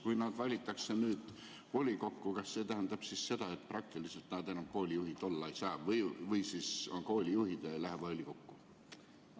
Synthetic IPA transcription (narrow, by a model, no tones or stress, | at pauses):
kujnɑd̪̥vɑlʲit̪ːˑɑkse̞nyːd̪̥ | ko̞lʲiko̞kːukɑsse̞ːt̪æɦænd̪ɑb̥sisːe̞d̪̥ɑe̞t̪̚ːˑprɑk̚t̪ilise̞lt̪nɑd̪e̞nɑmko̞ːlʲijuɦid̪̥o̞lːɑejsɑːvɤjvɯjsisko̞ːlʲijuɦid̪̥elæɦeb̥olʲiko̞kːu